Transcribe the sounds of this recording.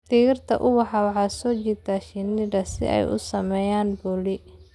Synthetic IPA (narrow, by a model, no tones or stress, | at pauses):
t̪iːɣɪrt̪ʰɐ̰ʔʊwɑħɑwɑħɑːsɔːt͡ʃit̪ʰaːʃɪnɪdɐsɪ̰ʔɛ̰jʔʊ̰sɐmɛːjaːnbʊlɪ